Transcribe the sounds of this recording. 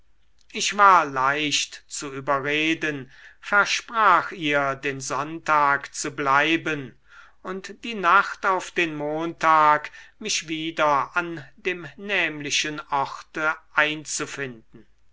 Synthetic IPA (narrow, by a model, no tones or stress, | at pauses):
ʔɪʃv̥aːɐlaɪʃtt͡suyːbɐʁeːdənfɛɐʃpʁ̥aːxiːɐdeːnzɔntaːkt͡sublaɪbən | ʊntd̥iːnaχtaʊfd̥eːnmoːntaːkmɪʃv̥iːdɐandeːmnɛːmlɪʃənɔχtəʔaɪnt͡sufɪndn̩